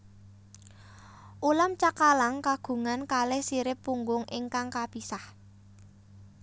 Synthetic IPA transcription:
ʔulamt͡ʃakalaŋkaɡ̥ṳŋankalɛhsiɾɪpːuŋɡʊŋʔɪŋkaŋkapisah

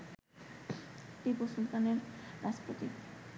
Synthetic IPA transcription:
tiposult̪aneɾɾaspot̪i

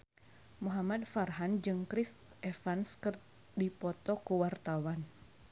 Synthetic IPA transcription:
muɦamadfarɦand͡ʒɨŋkɾis | ʔɛfanskɨr | dipɔt̪ɔkuwart̪awan

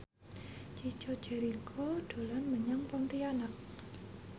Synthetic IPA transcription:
t͡ʃi̥t͡ʃɔ̤d̥ʒ̥ɛ̤ɾikʰɔɖ̪̥o̤lanməɲaŋpɔnt̪ianak̚

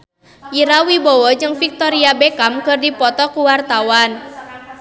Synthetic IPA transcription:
iɾawibɔwɔd͡ʒɨŋfik̚t̪ɔɾiabekamkɨrdipɔt̪ɔkuwart̪awan

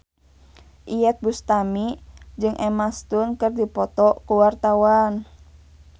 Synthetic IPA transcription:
ʔiɛt̪̚bust̪amid͡ʒɨŋʔɛmast̪unkɨrdipɔt̪ɔkuwart̪awan

